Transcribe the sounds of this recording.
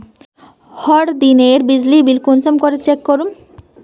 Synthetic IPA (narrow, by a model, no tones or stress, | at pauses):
hɔɽd̪ineɾbid͡ʑlibilkunsomkoɾet͡ɕekːoɾum